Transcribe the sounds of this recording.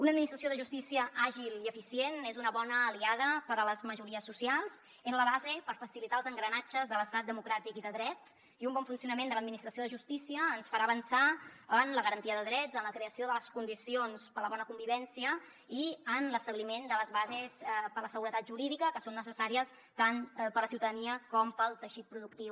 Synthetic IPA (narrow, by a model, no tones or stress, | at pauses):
unəd̪̚minist̪ɾəsjoðəʒust̪isiəʔaʒiliəfisienezunəβɔnəːliaðəpəɾələzməʒuɾiəsːusialˠz | ezləβazepəɾfəsilit̪aəlzəŋɡɾənad͡ʒəzðələst̪at̪̚d̪əmukɾat̪ikiðəðɾɛt̪ | iumbɔɱfunsiunəmend̪ələd̪̚minist̪ɾəsioðəʒust̪isiəːnsfaɾaəβənsaənləɣəɾənt̪iəðəðɾɛdzənləkɾeəsioðələskund̪isionspələβɔnəkumbiβɛnsiə | iənləst̪əβlimend̪ələzβazespələsəɣuɾət̪at̪̚ʒuɾiðikəkəsonːəsəsaɾiəs | t̪anpəɾləsiuwt̪əðəniəkɔmpəlˠt̪əʃit̪̚pɾuðukt̪iw